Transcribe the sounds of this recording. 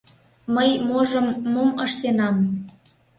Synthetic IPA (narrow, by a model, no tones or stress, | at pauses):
məjmoʒəmːoməʃt̪enɑm